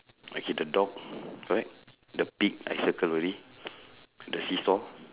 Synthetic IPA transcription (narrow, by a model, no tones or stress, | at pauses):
o̰kedədɔk̚kɔɹɛk̚ | dəpik̚a̰jsəkələɾi | dəsisɔ